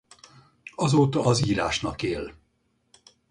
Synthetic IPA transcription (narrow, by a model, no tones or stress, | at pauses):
ɒzoːt̪ɒːziːɾa̰ːʃnɒkeːl